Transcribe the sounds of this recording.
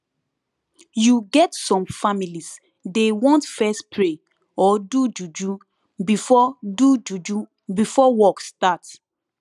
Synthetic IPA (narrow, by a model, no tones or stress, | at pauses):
juɡɛtsɔ̃mfamilis | dewɔ̃ntfɛspʰɹe | ɔdud͡ʒud͡ʒu | bifɔdud͡ʒud͡ʒu | bifɔwɔkstat